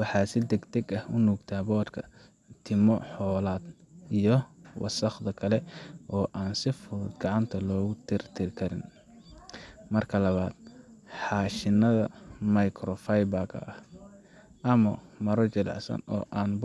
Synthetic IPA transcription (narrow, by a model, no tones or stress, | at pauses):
wɑħɑːsɪd̪ɛɡt̪ʰɛɡɐhʊnuːɡt̪ʰaːbɔːt̪kʰɐ | t̪ʰɪmɔħɔːlaːd̪ | ijɔwʔɑ̰sɐχd̪ɐkʰɐlɛʔɔːʔaːnsɪfʊld̪ɡɑʕɑnt̪ʰɐlɔːɣʊt̪ʰɪrt̪ʰɪɾkʰɐɾɪ̰n | mɐrkʰɐlɐβaːd̪̥ħɑːʃɪnɐðɐmɐjkʰɾɔfɐjbɐkʰɐ̰ɐh | ʔɐmɐmɐɾɔt͡ʃɛlɑ̰ʕsɐ̰nɔ̰ːʔaːnb